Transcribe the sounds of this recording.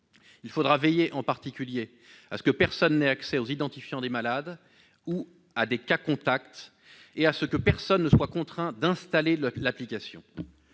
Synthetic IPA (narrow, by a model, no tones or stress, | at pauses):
ilfod̪ʁavɛjeʔɑ̃paʁt̪ikʲylje | a̰sə̥kəpɛʁsɔnːɛaksɛozid̪ɑ̃t̪ifjɑ̃d̪emalad̪ | u | ad̪ekakɔ̃t̪akt̪ | easəkəpɛʁsɔnːəswakɔ̃t̪χɛ̃d̪ɛ̃st̪alelaplikʲasjɔ̰̃